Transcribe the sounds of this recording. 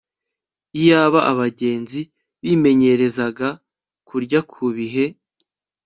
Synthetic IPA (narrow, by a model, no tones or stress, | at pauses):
ijaːβaʔaβaɟe̞ːnzi | βiːme̞ɲe̞ɾe̞zaɡa | kuɾɟakʰuβiɦe̞